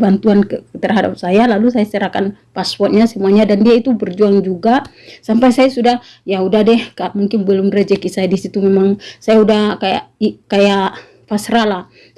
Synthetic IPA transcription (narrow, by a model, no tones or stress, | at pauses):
bant̪uankət̪ərɦada̰p̚sajalalus̬ajast͡ʃəɾakanpaspɔrt̪̚ɲasəmuaɲadandiait̪ubərd͡ʒuaŋd͡ʒuɡa | sampajsajasudah | jaudahdɛhkamuŋkɪnbəlʊmrəd͡ʒɛkisajadisit̪umemaŋsajaudahkaja̰ʔikajaʔ | fasɾala